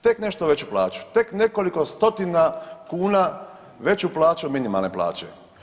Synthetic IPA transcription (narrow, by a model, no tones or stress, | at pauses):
t̪e̞kne̞ʃt̪oʋe̞t͡ɕuplaːt͡ɕu̥t̪e̞kne̞ko̞liko̞st̪o̞t̪inakuːna | ʋe̞t͡ɕuplaːt͡ɕuminima̰lneplˠa̰ːt͡ɕe̞̰